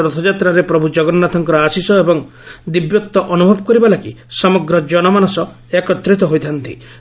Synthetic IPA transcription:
ɾɔt̪ʰɔd͡ʒat̪ɾaɾepɾɔbʱud͡ʒɔɡɔnnat̪ʰɔŋkɔɾɔasisɔebɔŋ | d̪ibjɔt̪ːɔʔɔnubʱɔbɔkɔɾibalaki | sɔmɔɡɾɔd͡ʒɔnɔmanɔsɔ | ekɔt̪ːɾit̪ɔɦojt̪ʰant̪ḭ

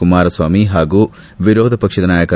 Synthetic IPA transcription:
umaːɾɐsʋaːmiɦaːɡuː | ʋiɾoːd̪ʱɐpɐkʂɐd̪ɐnaːjɐkɐ

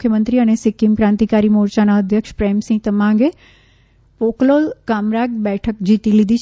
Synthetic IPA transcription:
kʰjəmə̃nt̪ɾiəñesɪkːimkɾãːnt̪ikaːɾimoːɾt͡ɕanaəd̪ʱjəkʃpɾɛːmsĩɡ̚t̪əmãɡe | poːkloːlkaːmɾaːɡ̚bɛːʈʰək̚d͡ʑiːt̪ilid̪ʱit͡ʃʰ

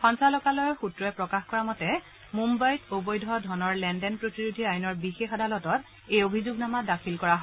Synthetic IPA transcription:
pɔ̃nsalɔkalɔjxutɹɔɛpɹɔkaxkɔɹamɔtɛ | mumbajtobɔjdʱɔdʱɔnɔɹlɛndɛnpɹotiɹudʱiajnɔɹbixexadʱalɔtɔt | ejobʱizuɡnamadakʰilkɔɹaɦɔ

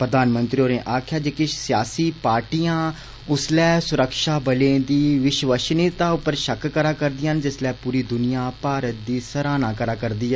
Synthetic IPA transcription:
pɾəd̪aːnmənt̪ɾioːɾnẽːʔaːkʰjaːd͡ʒekɪʃsɪjaːsiːpaːɾʈijãː | ʊslɛːsʊɾəkʃaːbəlẽːd̪iːʋɪʃʋəʃnɪt̪aːʊpəɾʃəkkəɾaːkəɾd̪iːɦənd͡ʒɪslɛːpuːɾiːd̪ʊnijaːpaːɾət̪̚d̪iːsəɾaːnãːkəɾaːkəɾd̪iːɛ

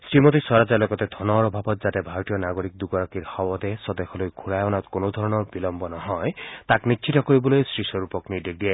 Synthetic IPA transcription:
sɹimɔt̪isɔɾad͡ʒalɔɡɔt̪ed̪ʱɔnɔɾɔbʱabɔt̪̚zat̪ɛbʱaɾɔtijɔnaɡoɾik̚d̪uɡɔɾakiɾhɔwɔt̪esɔd̪exʰɔlojɡʰʱuɹajɔnat̪konod̪ʱɔɾɔnɔɹbilɔmbɔnɔɦɔjt̪aknikt͡ʃʰitɔkoɹibɔlojsɹisɔɾupɔknideɡ̚die

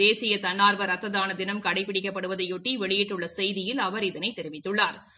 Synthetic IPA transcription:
eːsɪjɐt̪ɐɳːaːɾʋɐɾɐt̪ːɐðaːnɐd̪ɪnɐmkɐɽɐɪpːɪɽɪkːɐpːɐɽɯʋɐðɐɪjɔʈːiʋɛɭɪjɪʈːɯɭːɐsɛjðɪjɪlɐʋɐɾɪðɐnɐɪt̪ːɛɾɪʋɪt̪ːɯɭːaːɾ

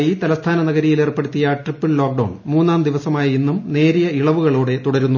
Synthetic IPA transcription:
jit̪ɐlɐst̪ʰaːnɐnɐɣɐɾijilerpːe̞ɽut̪ːijɐʈripːɨllo̞ːk̚ɖɐwːɳmuːnːaːnd̪iʋɐsɐmaːjɐinːumne̞ːɾijɐiɭɐʋuɣɐɭuːɽe̞t̪uɽɐɾunːu

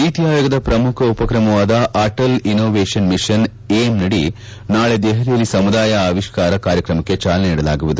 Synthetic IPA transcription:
it̪iɦaːjɔɡɐd̪ɐpɾɐmukʰɐupɐkɾɐmɐʋaːd̪ɐʔaːʈɐlinoːʋeːʂɐnmiʂɐn | eːmnɐɽi | naːɭed̪eːɦɐɾijɐlːisɐmud̪aːjɐaːʋiʂkaːɾɐkaːɾjɐkɾɐmɐkːe̞t͡ʃaːlɐneniːɽɐlaːɡuʋud̪u

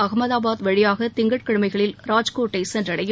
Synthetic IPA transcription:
ɐɣmɐðaːbaːðʋɛɻɪjaːɣɐt̪ɪŋɡɐʈ̚kɐɽɯmɐɪɣɐɭɪlɾaːd͡ʒkoːʈːɐɪsɛndrɐɽɐjɯ

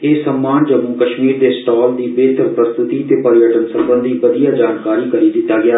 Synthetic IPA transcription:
eːsəmːaːnd͡ʒəmũːkəʃmiːɾd̪eːsʈɔːld̪iːbeːt̪əɾpɾəst̪ɪt̪iːt̪eːpəɾjəʈənsə̃mbənd̪ʱiːʋəd̪ijaːd͡ʒaːnkaːɾiːkəɾiːd̪ɪt̪ːaːɡɪaː

